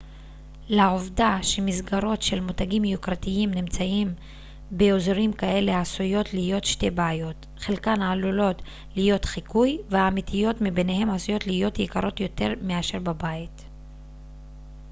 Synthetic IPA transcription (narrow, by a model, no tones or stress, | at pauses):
laovdaʃe̞mizɡaʁo̞tʃe̞lmutaɡimjukʁatiimnimt͡saim | beozɾimkae̞le̞asujo̞tlijo̞tʃte̞baajo̞t | χelkanaːlulo̞t | lijo̞tχikujveaːmitʰijo̞tmibene̞he̞masujo̞t̪lijo̞tjikaɾo̞t̪jo̞te̞̰ʁmeaʃe̞ʁbabait